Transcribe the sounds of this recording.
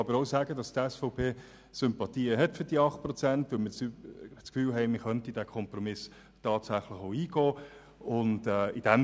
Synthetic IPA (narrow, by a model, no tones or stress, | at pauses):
ɑbəɾoʊsæːɡədɑstɛsfɔʊpʰeː | sʏmpɑtiːəɦɛtfʏɾd̥iːəɑχt̚pɾɔt͡sæntʋɪlməsst͡skfyːlɦɛɪmɪχœntidæːkʰɔmpɾɔmɪs | tɑːtsæχlɪχoʊiːɡ̥ɔː | ʊndɛɪd̥ɛm